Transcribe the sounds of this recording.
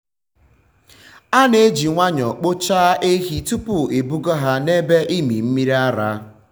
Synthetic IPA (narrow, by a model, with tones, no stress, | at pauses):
a˦ne˨˦d͡ʒi˨ŋʷa˦ɲɔ˨k͡po˦t͡ʃa˦ʔe˦ɦi˨tu˦pʊ˨e˨bu˦ɡɔ˦ɦa˦ne˦be˦ʔi˦mḭ˨m̩˦mi˦ɾa˦ɾa̰˦